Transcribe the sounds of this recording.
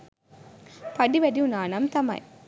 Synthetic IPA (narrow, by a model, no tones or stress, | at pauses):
pɐɽiʋɐɽiʊnaːnɐmt̪ɐmɐ̰j